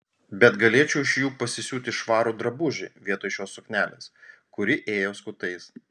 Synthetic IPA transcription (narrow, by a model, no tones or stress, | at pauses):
bʲɛt̪ɡɐlʲeɛt͡ʃʲɛʊɪʃʲjuːpɐsʲɪsʲuːt̪ʲɪʃʋɑːɾuːd̪ɾɐbʊʒʲɪ̰ʋʲiɛt̪oːʃʲoːsʊknʲæːlʲḛːskʊɾʲɪʔeːjoːskʊt̪ɐɪs